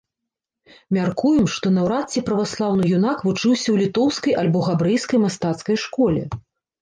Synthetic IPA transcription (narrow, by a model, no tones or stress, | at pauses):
mʲarkujɛmʂt̪ɔnɐwɾat̪t͡sʲipɾɐvaslˠawnɨjunakvut͡ʂɨwsʲɐwlʲit̪ɔwskɐjʔɐlʲbɔɣabɾɨjskɐjmast̪at̪skɐjʂkɔlʲɛ̰